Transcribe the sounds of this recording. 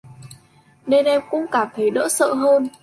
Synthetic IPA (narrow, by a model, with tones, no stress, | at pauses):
ne˧nʔɛ˧mkʊ̰˧˥ŋ͡mkaː˧˩mt̪ʰə˨˦jɗə̰ː˧˥sə̰ː˧˨ɦəː˧n